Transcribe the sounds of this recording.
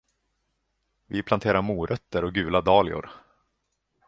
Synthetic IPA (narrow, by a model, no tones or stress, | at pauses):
vɪpʰlant̪ʰeːɾaɾmuːɾʔœt̪ːəɾɔk̚ɡʉ̟ːlad̪ɑːlɪʊ̰ɾ